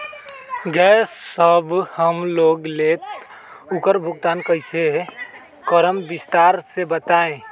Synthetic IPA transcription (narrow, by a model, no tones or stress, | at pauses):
ɡɛsːəbhəmloɡlet̪ | ukəɾbʱuɡt̪ankəɦise | kəɾəmbist̪aɾsebət̪aẽ